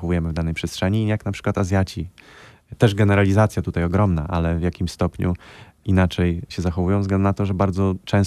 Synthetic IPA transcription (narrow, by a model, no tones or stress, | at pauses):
xɔvujɛmɘvd̪anɛjpʂɛstʂɛɲijaknapʂɘ̥kwat̪azʲjat͡ɕi | t̪ɛʐɡɛnɛɾalʲizat̪sʲjat̪ut̪ajɔɡɾɔmnaʔalɛvjakʲimst̪ɔpɲṵ | inat͡ʂɛjɕɛzaxɔvujɔ̃w̃zɡɛnd̪unat̪ɔʐɛbaɾd̪zɔt͡ʂɛ̃w̃s